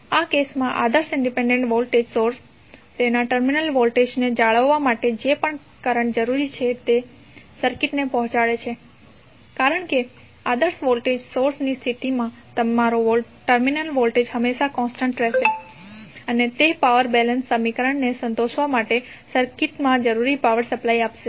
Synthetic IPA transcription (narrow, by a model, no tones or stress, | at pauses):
akesmãʔad̪əɾsɪɳɖipẽɳɖẽɳʈʋolʈed͡ʒsoɾs | t̪enaʈəɾminəlʋolʈed͡ʒned͡ʒaɭəʋːamaʈed͡ʒepəɳ | kəɾəɳd͡ʒəɾuɾit͡ʃʰet̪e | səɾkiʈnepɔ̃ɦɔ̃t͡ʃaɭet͡ʃʰe | kaɾəɳke | ad̪əɾsʋolʈed͡ʒsoɾsnist̪ʰit̪imãt̪əmaɾoʋo | ʈəɾminəlʋolʈed͡ʒɦəmeʃakɔ̃nsʈə̃ɳʈɾeʃe | ənet̪epaʋəɾbɛlənsːəmikəɾəɳnesə̃nt̪oʃʋamaʈe | səɾkɪʈmãd͡ʒəɾuɾipaʋəɾsəplaiapʃe